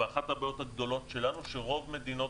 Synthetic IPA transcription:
eaχat̪habajo̞t̪haɡd̪o̞lo̞t̪ʃe̞lanuʃeʁo̞vme̞d̪ino̞

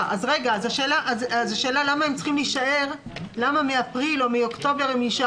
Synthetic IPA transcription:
azʁeɡazaʃeːlaʔazazaʃe̞ːlalamaemt͡sχimliʃae̞ʁlamamiapʁilo̞miokt̪o̞be̞ʁemiʃa

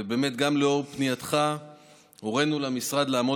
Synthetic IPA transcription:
ebeːme̞t̪ɡamleo̞ʁpnijat̪χa | oʁenulamisʁad̪laːmo

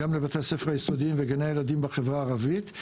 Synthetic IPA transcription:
amlebat̪ease̞feʁajeso̞diimveɡanajeladimbeχevʁaːʁavit

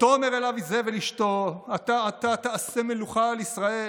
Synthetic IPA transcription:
t̪omeʁelavizeveliʃt̪o̞at̪aːt̪at̪aasemeluχalisʁae

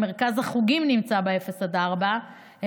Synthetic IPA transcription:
meʁkazhaχuɡimnimt͡sabeefe̞sad̪aʁba | he

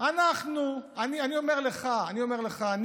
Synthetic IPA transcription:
anaχnuanianio̞meʁle̞χaːnio̞meʁle̞χaːn

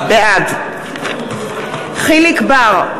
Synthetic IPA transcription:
bead̪ | χilikbaʁ

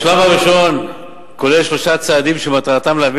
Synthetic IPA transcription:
ʃlamhaʁiʃo̞n | ko̞lelʃlo̞ʃat͡saːd̪imʃemat̪at̪amleav

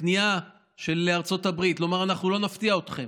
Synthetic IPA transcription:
nia | ʃe̞leaʁt͡so̞tabʁitlo̞maʁanaχnulo̞naft̪iaot̪χe̞m

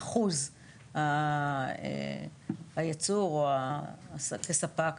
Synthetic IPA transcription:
χuz | ha | ḛ | hajat͡suʁoaskesapak

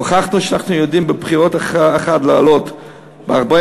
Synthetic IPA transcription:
χaχnuʃeanaχnujodimbepχiʁot̪aχeχatlealo̞t̪ | beaʁbe

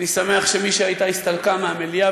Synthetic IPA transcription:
nisame̞aχʃe̞miʃeajt̪aist̪alkameamelia

